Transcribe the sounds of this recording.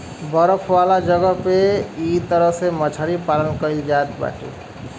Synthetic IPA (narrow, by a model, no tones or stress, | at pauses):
bʌɾʌkʰwalad͡ʒʌɡʌpeit̪ʌɾʌsemʌt͡ʃʰaɾipalʌnkʌild͡ʒat̪ba̰ʈḛ